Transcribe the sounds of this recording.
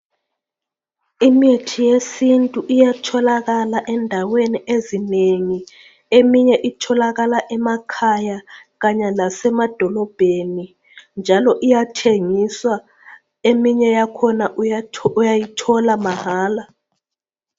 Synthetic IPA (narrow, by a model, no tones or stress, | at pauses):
imetʰijesintʼuʔijatʰɔlaɣalaʔɛndʱaweniʔezineŋi | emiɲɛʔitʰɔlaɣalaʔɛmakʰajaɣaɲalasɛmad̥ʱɔlɔb̥ʱeni | nd͡ʒʱalɔʔijatʰeŋiswa | emiɲɛjakʰɔnaujajitʰɔlamahaːla